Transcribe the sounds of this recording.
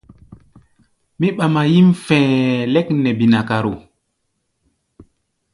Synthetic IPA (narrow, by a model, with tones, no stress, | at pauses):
mi˦ɓa˨ma˨ji˦mfɛ̃˨le˦kne˨bi˨na˨ka˨ɾo˨